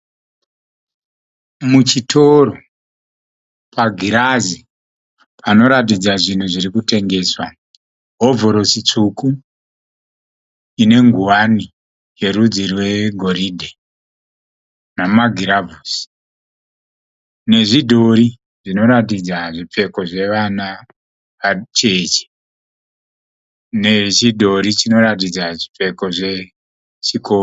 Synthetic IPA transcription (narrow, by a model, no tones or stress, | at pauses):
mut͡ʃitʰo̞ɾo | pʰaɡʱiɾazi | pʰano̞ɾat̬id͡zaʐin̤uʐiɾikute̞ŋɡe̞swa | ɦovʱoɾo̞sit͡ʂuku | ine̞ŋɡuwani | je̞ɾud͡zirwe̞ɡʱo̞ɾidʱe | namaɡʱiɾavusi̥ | ne̞ʐidʱo̞ɾi | ʐino̞ɾat̬id͡zaʐipe̞ko̞ʐe̞ʋana | ʋat͡ʃe̞t͡ʃe̥ | ne̞t͡ʃidʱo̞ɾit͡ʃino̞ɾat̬id͡zaʐipe̞ko̞ʐe̞ | t͡ʃikʰo